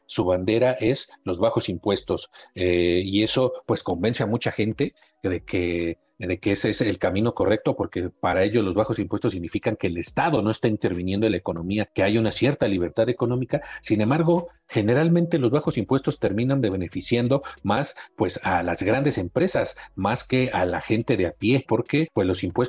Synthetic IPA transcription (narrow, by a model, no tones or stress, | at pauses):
suβand̪e̞ɾaʔe̞slo̞zβaxo̞simpwe̞st̪o̞seie̞so̞pwe̞sko̞mbe̞nseamut͡ʃaxe̞nt̪e̞ | ðe̞kʰe | ðe̞keeseselkamĩno̞ko̞re̞k̚t̪o̞po̞ɾke̞paɾaeʝo̞lo̞zβaxo̞simpwe̞st̪osːiɣnifikaŋke̞ːle̞st̪aðo̞no̞e̞st̪aint̪e̞ɾβinje̞nd̪olaeko̞nõ̞miake̞aʝaunasje̞ɾt̪aliβ̞e̞ɾt̪aðe̞ko̞nõ̞mikasine̞mbaɾɣo̞ | xe̞ne̞ɾalmẽnt̪e̞lo̞zβaxo̞simpwe̞st̪o̞st̪e̞ɾmĩnand̪e̞βe̞ne̞fisjand̪o̞maspwe̞salazɣɾand̪ese̞mpɾe̞sasmaske̞alaxe̞nt̪eðeapje̞po̞ɾke̞pwezlo̞simpwe̞s